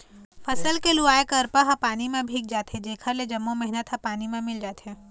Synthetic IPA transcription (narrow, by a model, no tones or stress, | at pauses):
fɐsəlkelʊaːekəɾpaɦãpaːnimẽbʱiːk̚d͡ʒaːt̪ed͡ʒeːkʰəɾled͡ʒɐmːõmɛɦɪnət̪ɦãpaːnimẽmɪld͡ʒaːt̪ɦẽː